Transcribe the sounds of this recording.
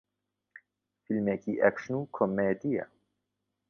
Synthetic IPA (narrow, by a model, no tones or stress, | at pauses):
filmekiʔæ̰kʃnukʰomːed̪ija̰